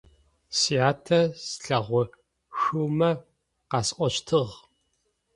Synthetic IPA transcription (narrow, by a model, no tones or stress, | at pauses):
siaːtʰɐsɬɐʁʷɔ | xuːmɐ | qɑsqʷɔɕtʰɨʁ